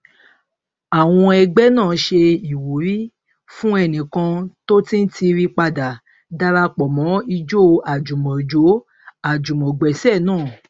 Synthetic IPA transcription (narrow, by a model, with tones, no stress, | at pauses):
a˨w̃ɔ̃˧ɛ˧ɡ͡bɛ˦nãː˦˨˦ʃe˧i˨wu˨ɾi˦ | fũ˦ɛ˧nĩ˨kã˧to˦tĩ˦n̩˦ti˧ɾi˧k͡pa˧da˨ | da˧ɾa˧k͡pɔ˨mɔ̃˨˦i˧d͡ʒo˦a˨d͡ʒu˨mɔ̃˨d͡ʒo˨˦ | a˨d͡ʒu˨mɔ̃˨ɡ͡bɛ˨sɛ˦˨nãː˦˨